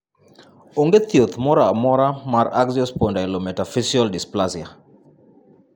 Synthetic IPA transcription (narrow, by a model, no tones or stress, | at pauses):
oŋɡet̪jot̪mɔɾamɔɾamaɾaɡziɔspondakilomɛtafisɔldɪsplasɪa